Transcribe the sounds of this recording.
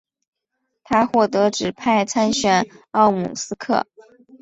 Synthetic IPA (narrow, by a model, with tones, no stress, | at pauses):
t̪ʰa˥xwɔ˥˩t̪ɤ˧˥ʈ͡ʂɻ̩˨˩pʰa˥˩ɪt͡sʰa˥nɕɥɛ˨˩nɑ˥˩ʊmṵ˨˩sɹ̩˥kʰɤ̰˥˩